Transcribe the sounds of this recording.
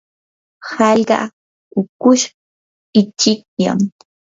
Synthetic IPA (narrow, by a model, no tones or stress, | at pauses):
hɑʎɢɑ̰ | ʊkʊʃ | ɪt͡ʃɪk̚ja̰m